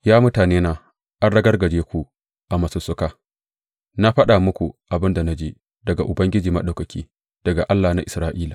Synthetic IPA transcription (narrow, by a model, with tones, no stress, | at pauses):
jaː˦mʊ˦taː˨neː˦naː˦ | ʔa˦nɽɐ˦ɡɐ˦rɡɐ˨d͡ʒeː˦kʷu˦ | ʔa˨mɐ˨sʊ˨sʊ˦kaː˦ | na˦ɸɐ˦ɗa˨mʊ˦kʷu˨ʔa˨bɪ˦nda˨na˦d͡ʒiː˦ | dɐ˨ɡa˨ʔʊ˨bɐ˦ŋɡʲɪ˦d͡ʒiː˨mɐ̰˦ɗa˨wkɐ˨kʲʰiː˦ | d̥ɐ˨ɡa˨ʔa˦lːaː˨na˦ʔɪ˨sɾaː˦ʔiː˦laː˨